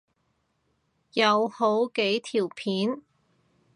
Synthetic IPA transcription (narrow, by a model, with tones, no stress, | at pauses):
jɐ˨˧who˨˥wke˨˥jt̪ʰiː˨˩wpʰiː˨˥n